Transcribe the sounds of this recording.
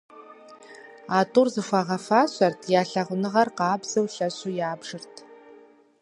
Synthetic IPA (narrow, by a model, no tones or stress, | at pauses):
aːtʼurzɨxʷaʁɐfaːɕʷɐrtʰjaːɬɐʁʷʊnɨʁɐrqɑːbz̥ɐwɬɐɕujaːbʐɨrtʰ